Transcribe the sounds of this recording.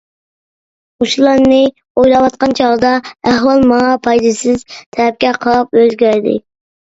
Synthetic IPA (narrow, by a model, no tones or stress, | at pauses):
uʃulˠɑɾnɨ | ojlˠɑwɑt̪̚qɑnt͡ʃʰɑʁd̪ɑæhwɑlˠmɑŋɑpʰɑjd̪ɨsɪzt̪ʰɛɾɛp̚kʲɛqʰəlˠɑpøzɡʲæɾd̪ɪ̰